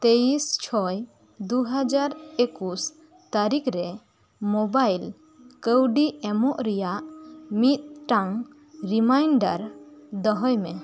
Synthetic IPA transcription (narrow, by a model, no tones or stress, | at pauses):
t̪eist͡ʃʰɔj | d̪uɦəd͡ʒaɾekus | t̪aɾikɾɛ | mɔbajl | kəwɖiɛmɔʔɾɛjaʔmit̪̚ʈaŋ | ɾimajɳɖa̰ɾd̪ɔɦɔjme